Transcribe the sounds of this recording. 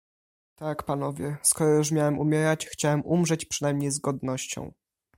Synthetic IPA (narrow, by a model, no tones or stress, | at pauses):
t̪akpanɔvʲjɛskɔɾɔjuʂmʲjawɛmumʲjɛɾat͡ɕxt͡ɕawɛmʔumʐɛt͡ɕpʂɛnajmɲejzɡɔd̪nɔɕt͡ɕɔ̰̃w̃